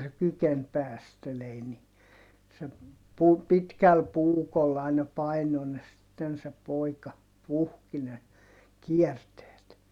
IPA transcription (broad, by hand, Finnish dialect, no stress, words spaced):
se kyken pæːstelei ni se pu pitkæl puːkol ɑinɑ pɑino ne sitːen se poˑikɑ puhki ne kiɛrteːt